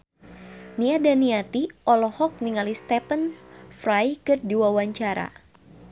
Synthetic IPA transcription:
niadaniat̪iʔɔlɔhɔk̚niŋalist̪ɛpənfɾajkɨrdiwawaɲt͡ʃaɾa̰

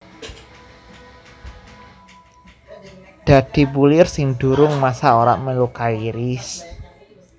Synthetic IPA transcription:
d̪̥ä̤d̪̥i̤pulɪrsɪŋd̪̥ṳɾʊŋmasaoɾa̰ʔməlokaiɾɪs

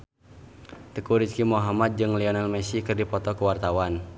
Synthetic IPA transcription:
t̪əkuɾit͡ʃkimoɦamat̪̚d͡ʒɨŋliɔnalmɛsikɨrdipɔt̪ɔkəwart̪awan

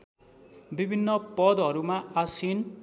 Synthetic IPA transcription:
bibʱinːʌpʌd̪ɦʌɾumaʔasin

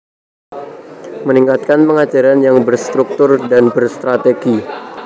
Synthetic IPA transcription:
məniŋkat̪̚kanpəŋad͡ʒaɾanjaŋbərst̪ɾuk̚t̪ʊrdanbərst̪ɾat̪eɡ̥i

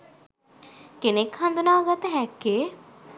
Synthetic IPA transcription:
kɪnekʰːãnd̪naːɡət̪ɦɛːkːe

